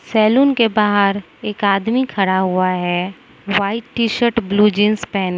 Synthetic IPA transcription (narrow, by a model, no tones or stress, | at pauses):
sɛːluːnkebaːɦəɾ | eːkaːd̪mikʰɐɽaɦʊaɦɛ | ʋaːɪʈːiːʃəɾʈbluːd͡ʒɪ̃nspɛːn